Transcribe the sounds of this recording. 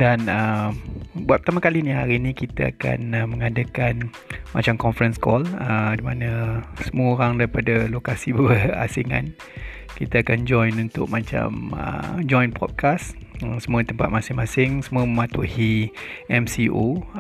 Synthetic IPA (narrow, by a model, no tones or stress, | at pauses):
danəmbuat̪̚pət̪amakalinihaɾinikit̪aa̰ka̰nəməŋadakan | ma̰t͡ʃamkɔnfəɾənskɔlədimanə̃səmuəoɾaŋdaɾipadalokasibəa̰siŋã̰n | kit̪aakand͡ʒɔjnunt̪ʊ̰k̚mat͡ʃa̰mə̰d͡ʒɔjnpɔ̰t̪̚kʰasəsəmũət̪əmpat̪̚masɪŋmãsɪŋsəmũəməmãt̪uhiɛmsiʔo